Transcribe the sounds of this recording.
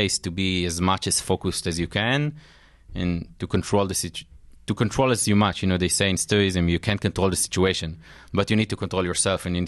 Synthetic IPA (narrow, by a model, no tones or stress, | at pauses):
eɪstubiɛzmat͡ʃɛz̥fokustɛzjukʰɛ̃n | ɛ̰̃ntukɔ̃ntʰɹoʊld̪əsit͡ʃtukɔ̃ntʰɹolasjumat͡ʃjunod̪eɪseɪɪ̃nstuɹɪzɨ̃mjukʰæ̃nt̚kɔ̃ntɹolˠd̪əsi̥t͡ʃueɪʃɔ̃n | batjunid̚tukɔ̃ntɹoljɔɹsɛlfɛ̃njun